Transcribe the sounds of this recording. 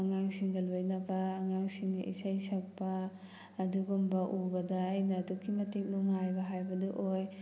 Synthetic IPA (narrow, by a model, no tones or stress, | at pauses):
ɐŋaŋsiŋɡɐlojnɐbɐːŋaŋsiŋnɐ̰ʔḭsɐjsɐk̚pɐː | duɡumbɐʔubɐdɐːjnɐːdukʰːimɐtik̚nuŋajbɐɦajbɐduʔoj